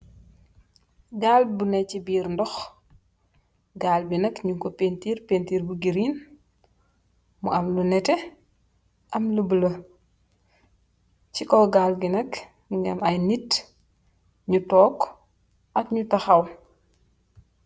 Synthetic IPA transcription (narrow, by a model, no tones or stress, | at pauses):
ɡaːlbunɛcibiːɾndɔx | ɡaːlbinɐkɲuŋkɔpentiːrpentiːɾbuɡiɾiːn | mṵɐmlunɛtɛ | ʔɐmlubulɐ | cikɔɡaːlɡinɐk | ŋɡɐ̰mɐjnit | ɲutɔːk | ʔɐkɲutɐxɐw